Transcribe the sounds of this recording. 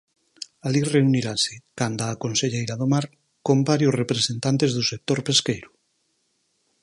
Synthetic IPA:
alireuniɾasekand̪aːkonseʎejɾaðomaɾ | kombaɾjosrepɾesent̪ant̪ezðusek̚t̪oɾpeskejɾʊ

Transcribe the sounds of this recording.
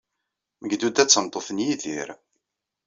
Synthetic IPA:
məɡd̪ud̪æt͡sːəmt̪ˤːoθənjiðḭɾ

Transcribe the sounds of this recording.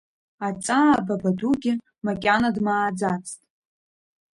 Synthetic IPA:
at͡sʼaːbabaduɡʲɪ | makʲʼanadmaːd͡zat͡sʰtʼ

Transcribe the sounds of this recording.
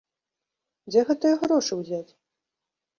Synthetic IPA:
d͡zʲɛɣɛt̪ɨjɐɣɾɔʂɨwzʲat͡sʲ

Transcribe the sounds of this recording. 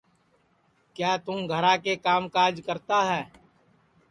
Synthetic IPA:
kjaːt̪ʊ̃mɡʱəɾakekaːmkaːɾd͡ʒkəɾt̪aɦɛː

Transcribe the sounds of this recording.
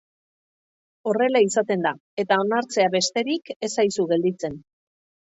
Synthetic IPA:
o̞re̞laisat̪e̞nd̪ae̞t̪ao̞naɾt͡se̞aβe̞st̪e̞ɾike̞sajsuɣe̞ld̪it͡se̞n

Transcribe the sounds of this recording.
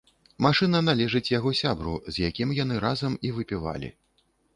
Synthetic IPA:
maʂɨnɐnalʲɛʐɨt͡sʲjaɣɔsʲabɾṵzʲjakʲimjan̪ɨɾazɐmivɨpʲiva̰lʲḭ

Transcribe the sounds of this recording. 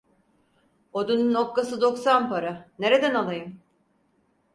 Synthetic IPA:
od̪ununopkasɯd̪o̞ksanpaɾane̞ɾed̪ænalˠajɯm

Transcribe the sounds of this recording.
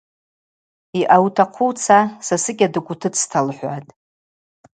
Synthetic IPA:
iʔawtʰaqʷʰut͡sʰasasɨkʲadɨkʷʼʊtʰɨt͡sʰtʰalħʷatʼ

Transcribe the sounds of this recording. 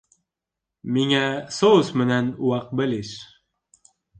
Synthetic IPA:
miŋæsosmɘ̆nænuwɑq̚bɘ̆lɘʃ

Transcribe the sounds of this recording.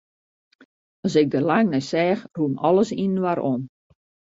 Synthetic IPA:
ɔsɪk̚dəlaŋnɛjsɛːxruəmɔləsinn̩waɾʔon

